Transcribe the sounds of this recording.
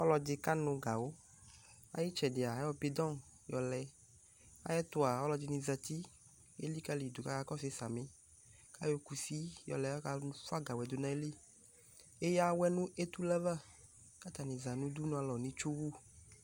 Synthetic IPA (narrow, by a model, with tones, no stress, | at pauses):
ɔ˦lɔ˨d͡ʒɪ˧ka˦nʊ̃˨ɡa˨wo˦ | a̰˨ji˦t͡ʃɛ˨dɪ˨a˨˦ɔ˧pe˨d̪ɔ̃˦˨njɔ˨lɛ˨ | a̰˦jɛ˦t̪ʊ˦a˨ɔ˦lɔ˧d͡ʒi˨nĩ˨za˨t̪i˦ | e˦li˦ka˦li˨d̪u˨ka˦ka˦kɔ˦se˦sa˨mẽ˨ | ka˦jo˦ku˨si˦jɔ̰˨lɛ˨ɔ˦ka˦fa˦ɡa˨wɛ˨d̪o˨nã˨e˦li˦ | e˦ja˦wɛ˦nũ˦e˦t̪u˦lɛ˦va˦ | ka˦t̪a˨nĩ˨za˨nũ˦d̪u˦nũ˨˦a˨lɔ˨nĩ˦t͡ʃu˦wu˦